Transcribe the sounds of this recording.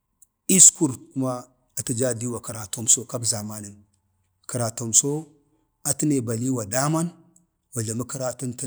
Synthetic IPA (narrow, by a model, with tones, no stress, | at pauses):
i˦sku˨ɾku˦ma˦ | a˨ti˦d͡ʒa˦di˦wa˨ki˨ɾa˨to˦mso˦ka˦bza˨ma˦nə˨n | ki˨ɾa˨to˨mso˦ | a˨ti˦ne˨ba˨li˦wa˨da˦ma˦n | wa˨ɮa˨mə˦ki˦ɾa˦tu˦nt